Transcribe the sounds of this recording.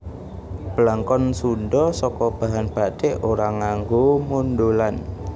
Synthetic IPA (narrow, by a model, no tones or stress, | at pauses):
b̥əlaŋkɔnsunɖɔsɔkɔb̥a̤ɦanb̥a̤d̥eʔoɾaŋaŋɡomundolan